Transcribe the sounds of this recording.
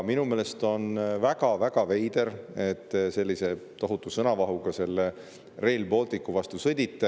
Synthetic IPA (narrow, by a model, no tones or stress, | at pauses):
minumeːle̞st̪o̞nvæɡɑvæɡ̥ɑve̞jd̪̥e̞ɾe̞t̪ːse̞lʲːise̞t̪o̞ɦut̪ːˑusɤnɑvɑɦuɡ̥ɑse̞lːe | re̞ːlbo̞ːlt̪ikːuvɑst̪usɤd̪̥ʲit̪ːe